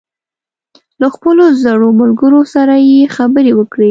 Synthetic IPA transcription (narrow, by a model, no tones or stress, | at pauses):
laxpəlozaɽomalɡəɾosaɾajexabəɾewəkɽi